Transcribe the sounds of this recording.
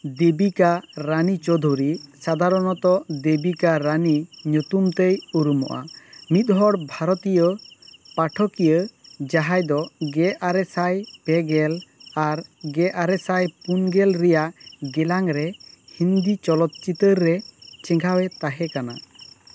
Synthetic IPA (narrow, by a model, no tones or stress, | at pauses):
d̪ebikaɾanit͡ʃɔd̪ʱoɾisad̪ʱaɾɔnɔt̪ɔd̪ebikaɾaniɲut̪umt̪ejuɾumɔ̰ʔa̰mit̪̚ɦɔɽbʱaɾɔt̪ijɔpaʈʰɔkijəd͡ʒaɦajd̪ɔɡɛʔaɾɛsajpɛɡɛlaɾɡɛʔaɾɛsajpunɡɛlɾɛjaʔɡɛlaŋɾɛhind̪it͡ʃɔlɔt̪̚t͡ʃit̪əɾːɛt͡ʃɛŋɡʱawɛt̪aɦɛkana̰